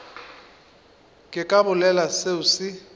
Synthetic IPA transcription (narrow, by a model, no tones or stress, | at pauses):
kʼɪkʼabʊlɛlaseʊsɪ